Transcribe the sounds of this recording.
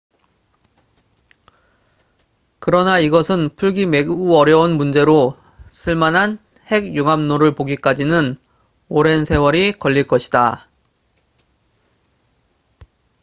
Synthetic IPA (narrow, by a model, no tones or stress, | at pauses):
kɯɾʌnaiɡʌsʰɯnpʰuɭɡime̞ɡuʌɾjʌunmund͡ʑe̞ɾo | s͈ʰɯɭmanɦan | he̞ɡjuŋamnoɾɯɭpoɡik͈ad͡ʑinɯn | oɾe̞nsʰe̞wʌɾikʌʎːiɭk͈ʌɕʰi̥da